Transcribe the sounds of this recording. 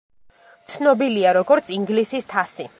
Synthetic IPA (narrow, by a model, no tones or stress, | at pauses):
t̪sʰnɔbiliaɾɔɡɔɾt̪sʰiŋɡlisist̪ʰasi